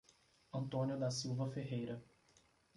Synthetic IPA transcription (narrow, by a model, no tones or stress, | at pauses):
ɐ̃nt̪õnjʊd̪ɐsiwvɐfeɦejɾɐ